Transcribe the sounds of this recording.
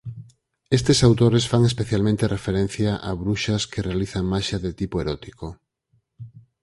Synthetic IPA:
est̪esawt̪oɾesfaŋespeθjalmẽnt̪erʔefeɾẽn̟θjaʔa̰βɾuʃɐskerealiθaŋmaʃaðet̪ipoeɾɔt̪iko

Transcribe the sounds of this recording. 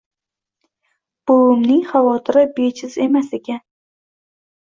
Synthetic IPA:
b̥oʊmnɪŋχavɒt̪ʰɪɾɪbet͡ʃʰɪze̞maseɡʲan

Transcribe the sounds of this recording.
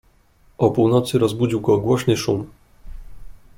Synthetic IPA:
ʔɔpuwnɔt̪sɘɾɔzbud͡ʑiwɡɔɡwɔɕnɘʂum

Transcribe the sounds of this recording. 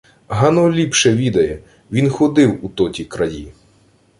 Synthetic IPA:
ɦɐnɔlʲipʃɛʋʲid̪ɐjɛ | ʋʲinxɔd̪ɪwut̪ɔtʲikɾɐjʲḭ

